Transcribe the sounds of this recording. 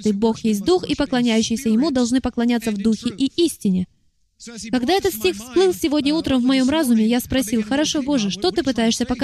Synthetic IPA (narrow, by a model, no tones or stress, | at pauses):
t̪ɨjbo̞xjesʲt̚ʲd̪uxipəklˠɐnʲæjʉɕːɪjsʲəjɪmud̪ɐlˠʐnɨpəklˠɐnʲat̪sːəvd̪uxʲɪʔiʔisʲtʲɪnʲɪ | kɐɡd̪aɛt̪ət̪sʲtʲixfsplˠɨlˠsʲɪvo̞dʲnʲəut̪ɾəmvmɐjo̞mrazʊmʲɪjaspɾɐsʲilˠxəɾɐʂo̞bo̞ʐɨʂt̪o̞t̪ɨpɨt̪ajɪʂsʲəpək